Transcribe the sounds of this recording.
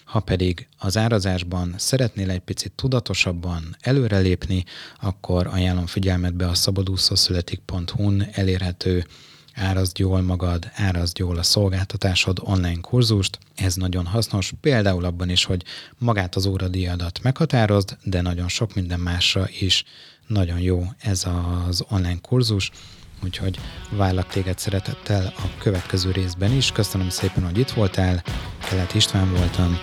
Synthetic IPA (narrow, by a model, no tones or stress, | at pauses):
hɒpɛd̪iɡɒzaːɾɒzaːʒbɒnsɛɾɛt̪neːlɛc̚pit̪sit̪ːud̪ɒt̪o̞ʃɒbːɒnɛløːɾɛleːpniɒkːo̞ɾɒjaːlːo̞ɱfiɟɛlmɛd̪bɛɒsɒbɒd̪uːsosylɛt̪ik̚po̞nt̪hunɛleːrɦɛt̪ʰøː | aːɾɒzd̪joːlmɒɡɒd̪aːɾɒzd̪joːlɒso̞lɡaːlt̪ɒt̪aːʃo̞d̪o̞nlajnkʰurzuʃt̪ | ɛznɒɟo̞nɦɒsno̞ʃpeːld̪aːulɒbːɒniʃho̞ɟmɒɡaːt̪ɒzoːɾɒd̪ijɒd̪ɒt̪ːmɛkhɒt̪aːɾo̞zd̪d̪ɛnɒɟo̞nʃo̞kmind̪ɛmːaːʃrɒʔiʃ | nɒɟo̞njoːɛzɒzo̞nlaːjnkʰurzuʃuːcho̞ɟvaːrlːɒk̚t̪eːɡɛt̪sɛɾɛt̪ɛt̪ʰːɛlɒkøvɛt̪kɛzøːɾeːzbɛniʃkøsønømseːpɛnho̞ɟit̪ʋo̞lt̪ɛlkɛlːɛt̪iʃt̪ʋaːɱvo̞lt̪ɒm